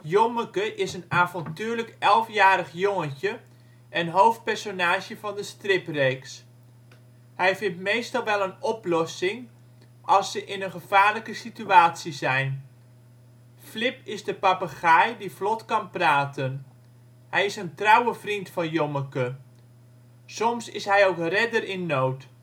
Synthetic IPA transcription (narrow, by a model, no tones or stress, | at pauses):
joməkəʔɪsənaːvɔntyːləkɛlˠfjaːɾəχjoŋəncə | ʔɛnɦowft̚pɛrsonaːʒjəvɑndəstrɪprejks | hɛjvɪntmejstɑlˠʋɛlˠənɔplɔsɪŋ | ʔɑlˠsːəʔɪnənχəv̥aːɹləkəsityaːtsizɛjn | flɪpɪzdəpapaχajdiflɔtkɑnpraːtən | hɛjɪsəntrɑwəvrintfɑnjoməkə | sɔmsɪsɦɛjowkrɛdərɪnːowt